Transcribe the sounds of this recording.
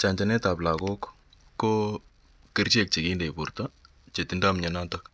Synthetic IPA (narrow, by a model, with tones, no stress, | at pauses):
t͡ʃa˨ɲt͡ʃa˨nɛ˦ta˨pla˨ko˦k | kːo˦ | ki˦rt͡ʃe˨k̚t͡ʃe˨ki˦nde˨pu˨rta˦ | t͡ʃe˨ti˨nda˦mɲɛ˨na˦tɐ